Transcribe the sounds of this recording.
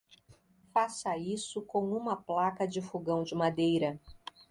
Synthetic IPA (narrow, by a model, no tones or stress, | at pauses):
fasɐisʊkõw̃ũmɐplakɐd͡ʒɪfoɡɐ̃w̃d͡ʒɪmad̪ejɾɐ